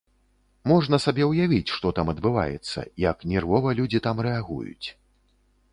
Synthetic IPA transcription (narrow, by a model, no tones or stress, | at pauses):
mɔʐnɐsabʲɛwjavʲit͡sʲʂt̪ɔt̪amɐd̪bɨva̰jɛ̰t̪sːɐ̰jɐknʲɛrvɔvɐlʲud͡zʲit̪amɾɛaɣṵjṵt͡sʲ